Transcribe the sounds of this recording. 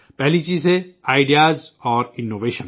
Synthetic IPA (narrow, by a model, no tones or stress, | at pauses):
pɛɦlit͡ʃiːzeaːɪɖijaːzɔːɾɪnːoːʋeːʃən